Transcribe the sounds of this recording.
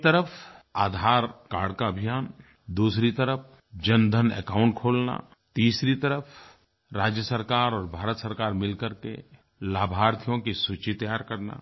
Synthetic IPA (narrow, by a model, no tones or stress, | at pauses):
t̪əɾəpʰaːd̪ʱaːɾkaːɾɖkaɐbʱijaːn | d̪uːsɾit̪əɾəpʰ | d͡ʒənd̪ʱənḛkãːʊ̃ɳʈkʰoːlna̰ | t̪iːsɾit̪əɾəfʰ | ɾaːd͡ʒjəsəɾkaːɾɔːɾbʱaːɾət̪səɾkaːɾmɪlkəɾkḛ | laːbʱaːɾt̪ʰijõkisut͡ʃit̪ɐjaːɾkɐɾna̰